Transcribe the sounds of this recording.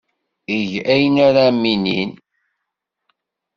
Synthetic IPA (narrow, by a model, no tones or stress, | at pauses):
iʝæjnaɾamːinḭn